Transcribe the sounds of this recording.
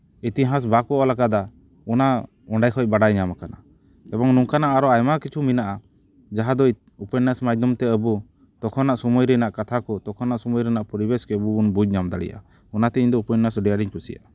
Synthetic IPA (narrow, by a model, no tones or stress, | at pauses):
it̪iɦãs̬bakɔʔɔlaɡad̪a | ɔna | ɔɳɖajkʰɔc̚baɽajɲamakana̰ | ɛbɔŋnuŋkanaʔaɾɔajmakit͡ʃʰuminaʔa | d͡ʒaɦad̪ɔ | upənasmajd̪ɔmt̪ɛəbu | t̪ɔkʰɔnaʔsɔmɔjɾɛnaʔkat̪ʰakɔt̪ɔkʰɔnaʔsɔmɔjɾɛnaʔpɔɾibɛskɛbuːnbud͡ʒɲamd̪aɽḭja̰ | ɔnat̪ɛiɲd̪ɔupɔnːasɖɛjaɖiɲkʰusḭja̰